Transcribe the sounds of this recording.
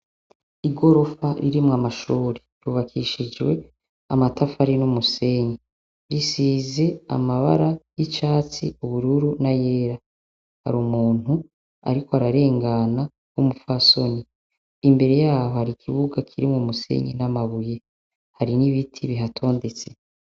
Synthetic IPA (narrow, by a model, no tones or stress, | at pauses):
iɡo̞ɾo̞faɾiɾimŋamaʃuːɾeɾuβakʰiʃid͡ʒwe̞ | amatʰafaɾinumuse̞ɲe | ɾisiːze̞a̰maβa̰ɾajit͡ʃaːt͡sḭuβuɾuɾunaje̞ːɾa | ha̰ɾumuːn̥hu | a̰ɾikoaɾaɾe̞ːŋɡana | wumufaso̞niː | mbe̞ɾe̞jaːho̞haɾikʰiβuɡakʰiɾimŋumusḛɲinamaβuje̞ | haɾiniβitʰiβiɦatʰo̞ːnde̞t͡se